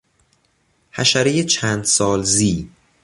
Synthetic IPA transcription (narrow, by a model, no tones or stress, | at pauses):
hæʃæɾejet͡ʃʰæːnd̪sɒːlziː